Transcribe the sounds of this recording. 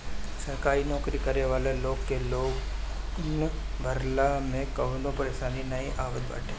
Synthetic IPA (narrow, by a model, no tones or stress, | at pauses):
sɐɾkaːinɔːkɾikɐɾeʋaːleloːɡkeloːɡ | ʊn | bʱɐɾlamẽkɐɦlõpɐɾeːʃaːninɐiʔaːʋət̪ba̰ːʈʰẽː